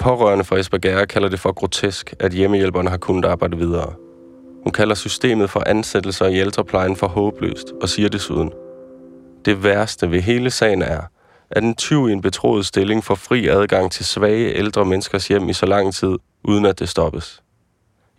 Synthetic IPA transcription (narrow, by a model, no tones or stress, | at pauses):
pʰɒ̽ʁɶ̰ɐnəfʁɑ̈esb̥æɡ̥æɐkʰæl̰ɐd̥e̝fɒ̽ɡ̥ʁo̝t͡sʰesɡ̥ʔæd̥jeməjel̰b̥ɐnəɦɑ̈kʰunəd̥ɑ̈ːb̥ɑ̈ɪd̥̩ˠʋið̞ˠɐː | hunkʰæl̰ɐsysd̥ḛːmð̩ˠfɒ̽ʔænsed̥l̩sɐield̥ʁɐpʰlɑ̈ɪn̩fɒ̽ɦɔ̽ːb̥lø̰ːsd̥ɒ̽siːɐde̝sṵð̞ˠən̩ | d̥e̝ʋæɐsd̥əʋe̝ɦe̝ːləsɛ̰ɪn̩æɐ | ʔæd̥ent͡sʰyʊ̰ie̝nb̥e̝t͡sʰʁo̰ːð̩ˠsd̥e̝le̝ŋfɒ̽fʁḭːæð̞ˠɡ̥ɑ̈ŋ̰t͡sʰe̝lsʋɛːɪəʔeld̥ʁɐmenəsɡ̥ɐsjem̰isɒ̽lɑ̈ŋ̰t͡sʰið̞̰ˠ | ʔuːð̞ˠən̩æd̥e̝sd̥ɒ̽b̥əs